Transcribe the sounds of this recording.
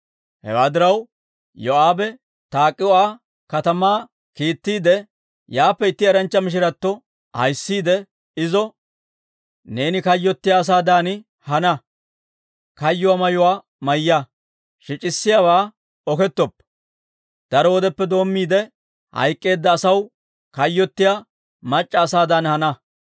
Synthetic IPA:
hɛ̰waːd̪ɪɾɐw | jɔaːbɛ | t̪aːkʼːɪwaː | kɐt̪ɐmaː | kiːt̪ːiːd̪ɛ | jaːpːɛɪt̪ːɪɐɾɐnt͡ʃːɐmɪʃ̬ɪɾɐt̪ːɔ | hɐ̰jsːiːd̪ɛ | ɪzɔ | ne̞ːnɪkɐjːɔt̪ːɪjaːs̬aːd̪aːnɪ | hɐnɐ | kɐjːʊwaːmɐjʊwaː | mɐjːɐ | ʃɪt͡ʃʼɪsːɪjaːwaː | ɔkɛt̪ːɔpː | d̪̥ɐɾɔwɔd̪ɛpːɛd̪o̞ːmːiːd̪ɛ | hɐ̰jkʼːe̞ːd̪ːɐːsɐw | kɐjːɔt̪ːɪja | mɐt͡ʃʼːɐːsaːd̪ɐnhɐnɐ

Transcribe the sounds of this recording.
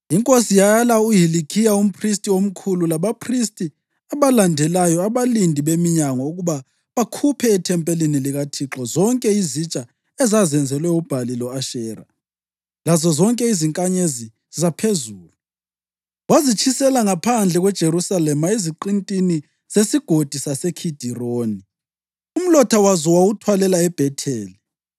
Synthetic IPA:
iŋkʼosijajalauɦilikʰijaum̩pʰris̬tʼiom̩kʰululaβapʰristʼi | aβalandʱɛlajɔaβalindʱiβemiɲaŋɔuɣuβa | βakʰupʰɛːtʰɛmpʼeliniliɣatʰiǁɔzɔŋkʼɛizit͡ʃʼa | ɛzazɛnd͡zʱɛlwɛub̥ʱalilɔaʃɛːra̰ | lazɔzɔŋkʼɛiziŋkʼaɲezi | zapʰezuːluu | wazit͡ʃʰisɛlaŋapʰand͡ɮʱɛɣwɛd̥ʒ̥ʱerusalɛmaiziǃintʼini | z̥esiɡ̥ʱod̥ʱisasekʰid̥ʱiroːni | um̩lɔtʰawazɔwawutʰwalɛlaɛb̥ʱɛtʰɛːli

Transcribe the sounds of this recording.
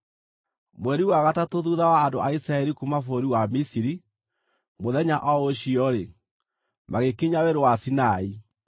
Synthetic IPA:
mwɛɾiwaɣatatoðuðawaːndoʔaisɾaɛɾikumafoɾiwamisiɾi | moðɛɲaʔɔoɕiɔɾe | maɣekiɲaweɾwasinai

